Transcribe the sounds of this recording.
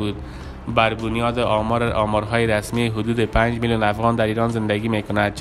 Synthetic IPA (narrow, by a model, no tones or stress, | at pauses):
bud̪ | baɾbʊnjɒːd̪eʔɒmɾʔɒmɒɾɦɒːjeɾasmiɦʊd̪ud̪epʰaɲd͡ʒmiljunafɣɒnd̪aɾiːɾɒnzɪnd̪æɡiːmekonad̪̚